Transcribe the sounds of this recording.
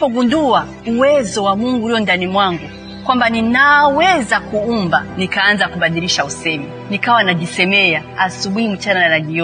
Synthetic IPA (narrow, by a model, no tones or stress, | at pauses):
pɔɡunduwa | uwɛzɔwamuŋɡuɾiɔndanimwaŋɡu | kwambaninawɛzakuumba̰nikaːnzakuɓaɗiɾiʃausɛmɛ | nikawanad͡ʒisɛmɛjaasuɓiimut͡ʃanananaɡiɔ